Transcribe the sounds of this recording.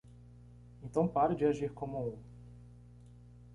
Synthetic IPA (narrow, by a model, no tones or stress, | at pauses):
ẽnt̪ɐ̃w̃paɾd͡ʒiaʒiɾkomũũ